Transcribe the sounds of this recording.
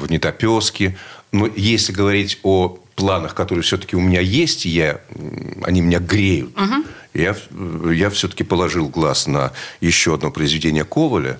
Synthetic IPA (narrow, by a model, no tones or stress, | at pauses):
vnʲɪt̪ɐpʲo̞skʲɪnojesʲlʲɪɡəvɐɾʲitʲoplˠanəxkɐt̪o̞ɾɨjəfsʲɵt̪ə̥kʲɪʊmʲɪnʲajesʲtʲɪja | ɐ̰nʲimʲɪnʲaɡɾʲejʊ̰t̪ | jajafsʲɵt̪ə̥kʲɪpəlˠɐʐɨlˠɡlˠasnəjɪɕːo̞ɐd̪no̞pɾəɪzvʲɪdʲenʲɪjəko̞vəlʲə̰